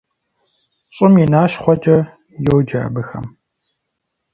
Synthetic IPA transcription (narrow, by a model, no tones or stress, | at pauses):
ɕʼɪminaːʃχʷɔd͡ʒʼɐ | jowd͡ʒa̰ːbɨxɐ̰m